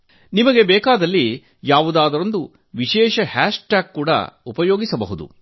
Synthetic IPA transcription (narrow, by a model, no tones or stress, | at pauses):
nimɐɡe̞bɛːkaːd̪ɐlːi | jaːʋud̪aːd̪ɐɾond̪u | ʋiʃɛːʃɐhaːʂʈaːkkuːɽɐ̰upɐjoːɡisɐbɐɦud̪ṵ